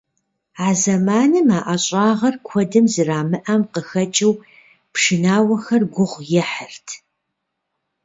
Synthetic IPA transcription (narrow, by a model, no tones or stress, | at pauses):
aːzɐmaːnɨmaːʔaɕʼɑːʁɐrkʷʰɔdɨmzɨraːmɨʔɐmqəxɐt͡ʃʼɪw | pʰʂɨnaːwɐxɐrɡʷʊʁʷjɛħərtʰ